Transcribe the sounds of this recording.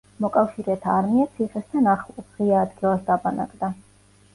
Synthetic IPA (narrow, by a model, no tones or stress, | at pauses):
mɔkʼafʃiɾɛt̪ʰaːɾmiat̪sʰiχɛst̪ʰanaχlˠɔsʁiaːd̪ɡilˠasd̪abana̰kʼd̪a